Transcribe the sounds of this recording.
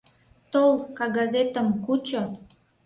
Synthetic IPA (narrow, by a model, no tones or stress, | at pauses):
t̪olkɑɡɑzet̪əmkut͡ɕo